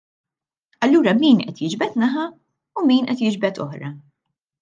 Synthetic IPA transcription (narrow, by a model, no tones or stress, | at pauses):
ɐlːuːɾɐmiːnʔɛ̰t̪jɪd͡ʒbɛt̪nɐħɐ | umiːnʔɛt̪jɪd͡ʒbɛt̪ɔ̰ħɾɐ